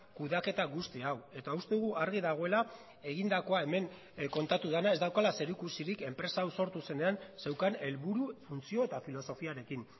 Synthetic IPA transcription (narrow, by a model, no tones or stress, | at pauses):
kuðake̞t̪aɣust̪iawe̞t̪aust̪e̞uɣuʔaɾɣiðaɣ̞o̞e̞la | e̞ɣind̪ako̞ae̞me̞ŋ | ko̞nt̪at̪uðenae̞zd̪awkalase̞ɾikusiɾike̞mpɾe̞saːwso̞ɾt̪use̞ne̞anse̞wkane̞lβuɾufunt͡sio̞e̞t̪afilo̞so̞fiaɾe̞kin